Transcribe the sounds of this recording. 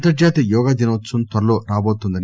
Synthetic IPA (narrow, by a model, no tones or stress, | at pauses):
t̪ɐɾd͡ʒaːt̪ijɔːɡad̪inɐsunt̪ɐɾɐloːɾaːboːt̪und̪ɐn